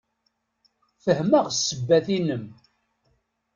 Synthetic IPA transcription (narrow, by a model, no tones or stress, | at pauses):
fəhməʁsːəbːæθinəm